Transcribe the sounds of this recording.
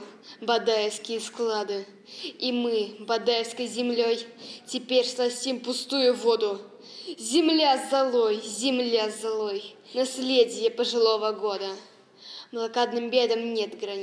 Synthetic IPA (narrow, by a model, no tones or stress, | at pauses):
bɐd̪ajɪfskʲɪjəsklˠad̪ɨ | imɨbɐd̪ajɪfskəjzʲɪmlʲojtʲɪpʲerʲslˠɐsʲtʲimpʊst̪ujʊvo̞d̪ʊ | zʲɪmlʲazɐlˠojzʲɪmlʲazɐlˠoj | nɐsʲlʲedʲɪjəpəʐɨlˠo̞vəɡo̞d̪ə | mlˠɐkad̪nɨmbʲe̞d̪əmnʲet̪ɡɾɐnʲ